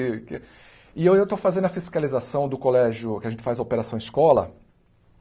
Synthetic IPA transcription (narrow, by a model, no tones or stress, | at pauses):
ɪkɪ | ɪewewt̪ofazẽnd̪ʊɐfiskalizasɐ̃w̃d̪ʊkolɛʒjʊkʲɪaʒẽnt͡ʃɪfazɐopeɾasɐ̃w̃ɪskɔlɐ̰